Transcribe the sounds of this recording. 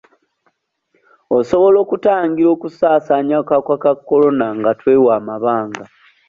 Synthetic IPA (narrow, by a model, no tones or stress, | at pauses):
oso̞βo̞lo̞ːkutaːŋɡiɾo̞ːkusaːsaːɲakakwakakːo̞lo̞naŋɡatwe̞ːwaːmaβaːŋɡa